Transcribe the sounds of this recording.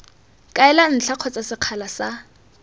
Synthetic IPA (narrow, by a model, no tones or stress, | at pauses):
kʼaɛlan̩t͡ɬʰaq͡χʰɔt͡sʼasɪq͡χʰalasa